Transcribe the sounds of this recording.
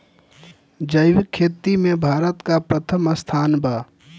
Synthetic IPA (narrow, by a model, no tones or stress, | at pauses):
d͡ʒəɪʋɪkʰːeːt̪ːimẽbʱaːɾət̪kapɾət̪ʰəməst̪ʰaːnbaː